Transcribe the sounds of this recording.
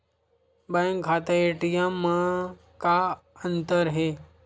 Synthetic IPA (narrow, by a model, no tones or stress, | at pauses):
bãŋkʰaːt̪aeʈijãmã | kaənt̪əɾɦe